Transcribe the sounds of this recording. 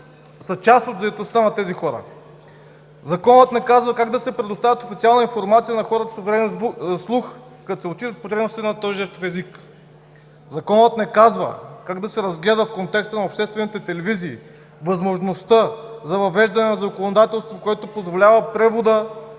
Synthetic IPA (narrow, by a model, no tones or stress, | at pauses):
sɐt͡ʃast̪od̪zɐɛt̪ost̪anɐt̪ɛzixɔɾə̰ | zɐkɔnət̪nɛkazvəkaɡd̪ɐsɛpɾɛd̪ost̪avʲət̪ofit̪sialˠnəinfoɾmat̪sijənɐxɔɾət̪ɐ̥sovɛɾɛɛnslˠux | kɐt̪osɛot̪t͡ʃit̪ət̪̚pot̪ɾɛbnosit̪ɛnɐt̪ɔjʒɛʃt̪ofɛzik | zɐkɔnət̪nɛkazvə̰kaɡd̪ɐsɛɾɐzɡlɛd̪əfkont̪ɛkst̪ənɐopʃt̪ɛst̪vɛnit̪ɛt̪ɛlɛviziː | vɐzmoʒnost̪əzɐvɐvɛʒd̪ɐnɛnzɐkonod̪at̪ɛlˠst̪vokoɛt̪opozvolʲavəpɾɛvod̪ə